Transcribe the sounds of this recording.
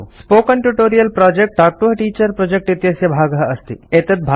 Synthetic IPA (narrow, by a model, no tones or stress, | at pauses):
spoːkɐnʈuʈoːɾijɐlpɾɔːd͡ʒek̚ʈaːk̚ʈuɦʈiːt͡ʃɐɾpɾod͡ʒek̚ʈit̪jɐsjɐbʱaːɡəɦɐst̪ḭet̪ɐt̪̚bʱ